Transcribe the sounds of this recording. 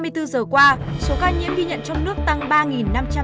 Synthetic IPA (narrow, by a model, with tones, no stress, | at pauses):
mɨ˧əjt̪ɨ˧zəː˨˩kwaː˧so˨˦kaː˧ɲḭ˧˥əmɡi˧ɲə̰˧˨nt͡ɕɔ˧wŋ͡mnɨ˦˥ək̚t̪a˧ŋɓaː˧ŋi˨˩nːa˧mt͡ɕa˧